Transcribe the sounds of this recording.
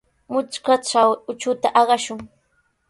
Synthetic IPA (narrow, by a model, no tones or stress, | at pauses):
mʊt͡ʃkaʈ͡ʂawʊt͡ʃʊt̪aʔɑɢɑʃʊŋ